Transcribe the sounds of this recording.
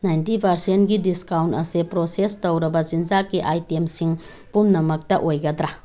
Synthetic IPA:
najntipɐɾsentɡidiskawntɐsepɾosestowɾɐbɐzind͡ʒakiʔajtemsiŋ | pumnɐmɐk̚tɐʔojɡɐd̪ɾa

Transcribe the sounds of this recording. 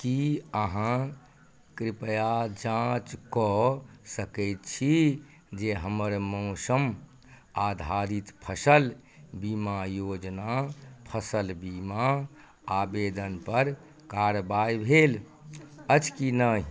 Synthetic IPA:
kiəɦã | kɾipjad͡ʒãt͡ʃkɔsəkəɪt̪t͡ʃʰi | d͡ʒeɦəməɾmə̃ʊsəm | ad̪ʱaɾit̪pʰəsəlbimajod͡ʒnapʰəsəlbima | abed̪ənpəɾ | kaɾbajbʱel | ət͡ʃkinəi

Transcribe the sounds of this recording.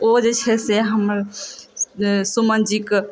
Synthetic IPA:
od͡ʒet͡ʃʰɛseɦəməɾ | sumənd͡ʒik

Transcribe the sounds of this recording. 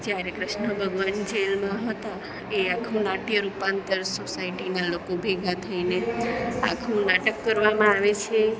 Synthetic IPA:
d͡ʒjaɾekɾɪʃnəbʱəɡʋand͡ʒelmãɦət̪a | eakʰũnaʈjəɾupant̪əɾsosaiʈinalokobʱeɡʱat̪ʰainea̰kʰũnaʈəkːəɾʋamãaʋet͡ʃʰe

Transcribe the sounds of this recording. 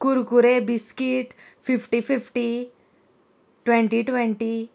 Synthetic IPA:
kuɾkuɾebiskiʈ | fipʰʈififʈi | ʈʋɛɳʈiʈʋɛ̃ɳʈi

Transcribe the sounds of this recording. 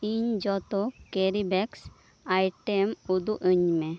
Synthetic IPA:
iɲd͡ʒɔt̪ɔkeɾibɛks | ajʈemud̪uʔəɲmɛ

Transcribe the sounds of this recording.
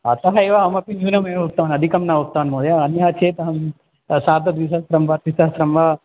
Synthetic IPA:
ɐt̪ɐɦɐeʋaɐmɐpinjuːnɐmẽʋok̚t̪ɐʋɐnɐd̪ʱikɐmnaʋuk̚t̪ɐʋɐnmoːd̪jaɐniɦat͡ʃʰeːt̪ɐɦɐm | saːd̪ɐd̪ʋis̬ɐstɾɐmbaːt̪isɐsɾɐmʋa

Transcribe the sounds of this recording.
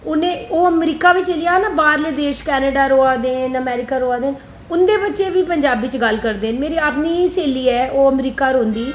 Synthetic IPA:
ʊnẽːoːəmɾiːkaːʋit͡ʃelijaːnabaːɾleːd̪eːʃkɛːnəɖaːɾoːaːd̪eːnəmɛːɾɪkaːɾoːaːd̪eːn | ʊnd̪eːbətːʃeːʋiːpəɲd͡ʒaːbɪt͡ʃɡəlkəɾd̪eːnmeːɾiːaːpniːseːliːɛːoːəmɾiːkaːɾoːnd̪iː

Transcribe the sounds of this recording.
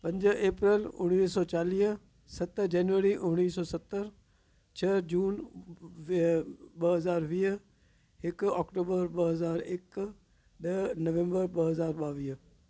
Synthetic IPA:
pɐ̃ɲd͡ʑə̆ʔeːpɾəlʊɽ̃iːsɔːt͡ɕaːliːɦ | sɐt̪d͡ʑɛːnʋəɾiʔʊɽ̃iːsɔːsɐt̪ːəɾ | t͡ɕʰɐd͡ʑuːn | ɓɐɦɐzaːɾʋiːɦ | ɦɪkɔːkʈoːbəɾɓɐɦɐzaːɾɪk | ɗɐnɐʋẽmbəɾɓɐɦɐzaːɾɓaːʋiːɦ

